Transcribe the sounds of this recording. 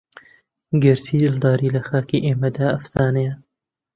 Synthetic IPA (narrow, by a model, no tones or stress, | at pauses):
ɡɐɾsiːld̪ɑːɾiːlɐxɑːkiːʔeːmɐd̪aɐfsɑːnɐjɐ